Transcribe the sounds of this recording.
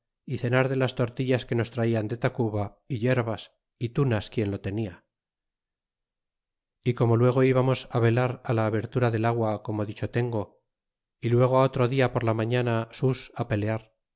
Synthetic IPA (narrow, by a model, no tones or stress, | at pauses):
iθe̞naɾðe̞last̪o̞ɾt̪iʎaske̞no̞st̪ɾaiand̪e̞t̪akuβa | iʎe̞ɾβas | it̪unaskje̞nlo̞t̪e̞nia | iko̞mo̞lwe̞ɣ̞o̞iβamo̞saβe̞laɾalaːβe̞ɾt̪uɾaðe̞laɣwako̞mo̞ðit͡ʃo̞t̪e̞ŋɡo̞ | ilwe̞ɣ̞oao̞t̪ɾo̞ðiapo̞ɾlamaɲanasusape̞le̞aɾ